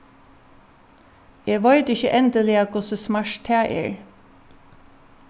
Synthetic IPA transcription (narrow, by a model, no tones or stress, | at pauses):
eːʋɑɪt̪ɪçə̰ʔɛnd̪əlɪɑkʰʊsəsmæʂt̪ʰæːʔḛːɹ